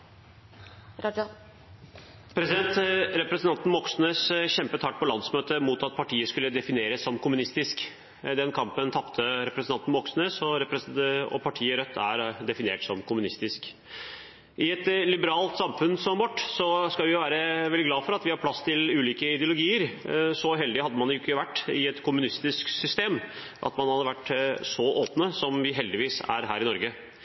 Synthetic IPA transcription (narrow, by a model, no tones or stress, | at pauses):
pʰɾɛsɪɛnt̪ɾɛpɾɛsnʰɑnt̪n̩mɔksnøːsçɛmpət̪ʰɑʈ̚ːpʰɔlɑnsmøːt̪əmuːt̪ɑt̪̚pʰɑʈʰiːəskʉlːəd̪ɛfɪneːɾəsːɔmkʰʊmʉnɪst̪ɪsk | d̪ɛnkʰɑmpənt̪ʰɑpt̪ʰəɾɛpɾɛsnɑnt̪n̩mbɔksnøːsɔɾɛpɾɛɔ̰pʰɑʈʰiːəɾœt̪ʰːæ̰ɾd̪ɛfɪnḛːʈsɔmkʰʊmʉnɪst̪ɪsk | ʔɪɛt̪lɪbəɾɑːlt̪sɑmfʉnsɔmʋɔʈːsɔskɑlʋɪjʊʋæːɾəʋɛlːɪɡlɑːfɔɾɑt̪ʋɪhɑɾpʰlɑsːt̪ʰɪlʉːliːkəɪd̪ɪʊlʊɡiːəɾsɔɦɛld̪ɪhɑd̪ːəmɑnʊkːəʋæʈːɪɛt̪kʰʊmʉnɪst̪ɪsksʏst̪eːm | ʔɑ̰t̪mɑnhɑd̪əʋæʈːsɔʔoːpnəsɔmʋɪɦɛld̪ɪʋiːsæ̰ɾɦæːɾɪnɔɾɡə